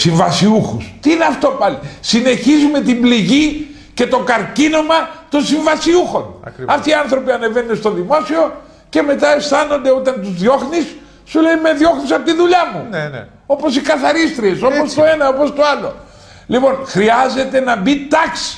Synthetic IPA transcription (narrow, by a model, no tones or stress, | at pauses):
siɱvɐsiuxust̪iineɐft̪o̞pɐlisine̞çizume̞t̪imbliʝi | ce̞t̪o̞kɐɾcino̞mɐt̪o̞nsiɱvɐsiuxo̞nɐft̪iːɐnθɾo̞piɐne̞venːest̪o̞ðimo̞sio̞ | ce̞me̞t̪ɐest̪ɐno̞nd̪eo̞t̪ɐnt̪uzðjo̞xnisː | ule̞ime̞ðjo̞xnisɐpot̪iðuʎɐmun | o̞po̞sikɐθɐɾist̪ɾie̞sopost̪oenɐopo̞st̪oɐlo̞̰ | lipo̞nxɾiɐze̞t̪e̞nɐbit̪ɐksi̥